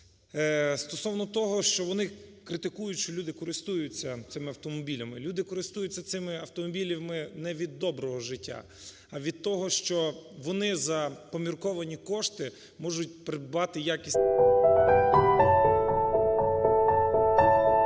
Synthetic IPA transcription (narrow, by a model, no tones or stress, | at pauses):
st̪ɔsɔwnɔt̪ɔɦɔʃt͡ʃɔʋɔnɪkɾɪt̪ɪkujʊtʲʃt͡ʃɔlʲud̪ɪkɔɾɪst̪ujʊt͡sʲːɐt̪sɪmɪɐwt̪ɔmɔbʲilʲɐmɪlʲud̪ɪkɔɾɪst̪ujʊt͡sʲːɐtsɪmɪɐwt̪ɔmɔbʲilʲiwmɪnɛʋʲid̪ːɔbɾɔɦɔʒɪtʲːa̰ | ɐʋʲid̪̚t̪ɔɦɔʃt͡ʃɔʋɔnɪzɐpɔmʲirkɔʋɐnʲikɔʃt̪ɪ | mɔʒʊtʲpɾɪd̪ɑt̪ɪjakʲisʲ